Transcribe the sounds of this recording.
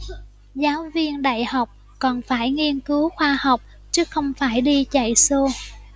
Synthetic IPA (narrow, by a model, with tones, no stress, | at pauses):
zaː˨˦wvi˧ənɗa̰ː˧˨jha˨˩wk͡p̚ | kɔ˨˩nfaː˧˩jŋi˧ənkɨ˨˦wxwaː˧ha˨˩wk͡p̚ | t͡ɕɨ˦˥ək̚xə˧wŋ͡mfaː˧˩jɗi˧t͡ɕə̰˧˨jso˧